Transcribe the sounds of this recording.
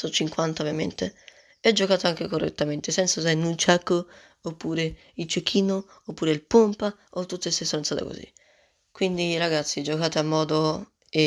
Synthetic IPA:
sot͡ʃːiŋkwant̪aovjamḛnt̪e | ɛd͡ʒːokaːt̪oaŋk̟ekorːḛt̪ːament̪esɛnt̪sas̬ajnunt͡ʃakːo | opːuːɾe | ilt͡ʃekʰːiːnoː | pːuːɾeilpompaot̪ːut̪ːest̪esːonent̪aːt̪a̰ko̰zḭ | kwind̪iɾaɡat̪sːid͡ʒokaːt̪eamːɔːd̪o | e

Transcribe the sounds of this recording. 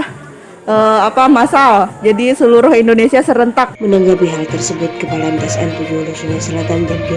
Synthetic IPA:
ʔəapamasald͡ʒadisəluɾʊhindonesiasəɾənt̪ak̚mənaŋɡabiɦalt̪ərsəbʊt̪̚kəpalant̪ɛsɛnt̪ud͡ʒulusunasəlat̪and͡ʒaŋpi

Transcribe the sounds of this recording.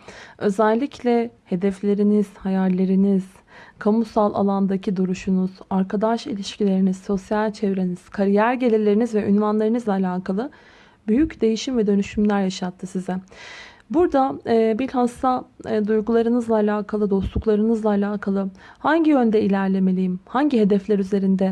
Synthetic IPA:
ø̞zælʲːicʰlʲɛhe̞d̪ɛflʲe̞ɾiniz̥hajaɾlʲe̞ɾiniz̥ | kʰamusalˠʔa̰lˠand̪acʰid̪uɾuʃunuz̥aɾkʰad̪aʃḭlʲiʃcilʲe̞ɾinizso̞sjalʲt͡ʃʰevɾe̞niz̥kʰaɾijæɾɟelʲilʲeɾinizvɛʔynvanlˠaɾɯnɯzlˠaːlʲaːkʰalˠɯ | byjycd̪e̞jiʃimvɛd̪ø̞nyʃymlʲæɾjaʃat̪ʰːɯsizɛ | buɾd̪aːbilʲhast̪ad̪ujɡulˠaɾɯnɯzlˠaːlʲaːkʰalˠɯd̪o̞slˠuklˠaɾɯnɯzlˠaːlʲaːkʰalˠɯhaɲɟiø̞nd̪ɛilʲæɾlʲe̞me̞lʲijimhaɲɟiɦe̞d̪ɛflʲæɾyze̞ɾind̪ɛ

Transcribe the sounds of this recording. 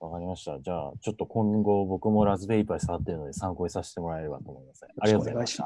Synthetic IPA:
βakaɾʲimaɕi̥t̪ad͡ʑaːt͡ɕo̞t̪ːo̞kʰõ̞ŋɡo̞bo̞kɯ̟mo̞ɾazɨbe̞ipːaisaβat̪ːe̞ɾɯ̟no̞d̪e̞sãŋko̞isaɕi̥t̪e̞mo̞ɾae̞ɾɯβa̰t̪oːmo̞imasḛ̃aɾiatoze

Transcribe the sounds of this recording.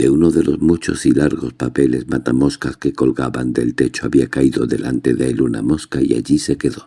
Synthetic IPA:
d̪̥e̞uno̞ðe̞lo̞zmut͡ʃo̞̰silaɾɣo̞spape̞le̞zmat̪amo̞skaske̞ko̞lɣaβand̪e̞lt̪e̞t͡ʃo̞aβiakaiðo̞ðe̞lant̪e̞ðeluna̰mo̞skaia̰ʎise̞ke̞ðo̞

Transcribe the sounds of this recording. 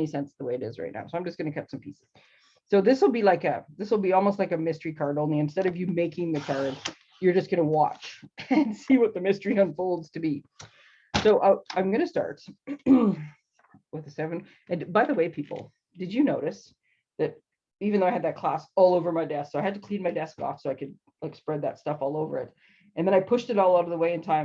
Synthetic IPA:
nisɛ̃nsðəweɪɨɾɪ̰zɹa̰ɪtⁿna̰ʊsoʊãɪmd͡ʒʌsɡ̥ʌnɨkʰʌt͡ʃsʌ̃mpʰisɨz̥ | soʊðɪswl̩ˠbilaɪkʌ̰ðɪswl̩ˠbiɔlˠmoʊstˡlaɪkɨmɪstə̥˞ikʰɑɹɾõʊ̃nliɨ̃nstɛɾʌvjɨmeɪkɪ̃ŋðɨkʰɑɹd | jə˞d͡ʒʌsɡ̥ʌnəwɑ̰t͡ʃɨ̃nsiwʌt̪̚ðɨmɪstə˞iʌ̃nfoʊlˠdz̥tʰɨbi | soʊʔaɪãɪ̃mɡʌnɨstɑ̰ɹt | wɨðɨsɛvɨ̃n̩ | ʔɨ̃nbaɪðəweɪpʰipl̩ˠ | d̥ɨd͡ʒɨnoʊɾɨs | ðɨɾ | ivɨ̃n̩ðoʊɪd̪̚ðɨt̚kʰl̥æsɔlˠoʊvə˞maɪdɛssoʊaɪɨd̚tɨkʰl̥ĩnmaɪdɛskɔ̰fsoʊaɪkɨd̚ | laɪkspɹɛd̪̚ðɨ̰tstʌfɔlˠoʊvə̰˞ɨ̰t | ʔɨ̃nðə̃ɾ̃aɪpʰʊʃtɨɾɔlˠaʊɾʌvðəweɪɨ̃ntʰãɪ̃m

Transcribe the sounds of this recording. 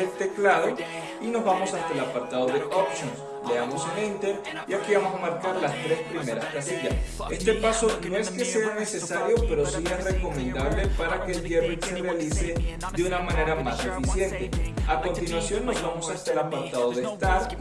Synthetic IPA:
et̪e̞klaðo̞ | ino̞zβamo̞sast̪aelapaɾt̪aðoðe̞ʔopsjons | leamo̞senint̪eɾ | iakiβamo̞samaɾkaɾlast̪ɾe̞spɾime̞ɾaskasiʝase̞st̪e̞paso̞no̞e̞ske̞se̞ane̞se̞saɾjo̞pe̞ɾo̞sie̞sre̞ko̞mẽnd̪aβ̞le̞paɾake̞ːlʝerit̪se̞realise̞ | ðeunamane̞ɾamaze̞fisje̞nt̪e̞ako̞nt̪inwasjo̞nːo̞zβamo̞sast̪aelapaɾt̪aðo̞ðest̪aɾ

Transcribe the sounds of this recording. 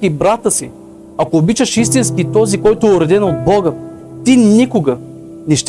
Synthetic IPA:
ibɾat̪əsi | akoːbit͡ʃəʃist̪inskit̪ɔzikɔjt̪ʊɛʊɾɛd̪ɛnod̪̚bɔɡə | t̪inikʊɡə | nɛʃt̪

